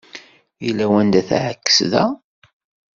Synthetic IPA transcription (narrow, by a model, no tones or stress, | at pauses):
jilːæwænd̪æθʕəkːə̥sðæ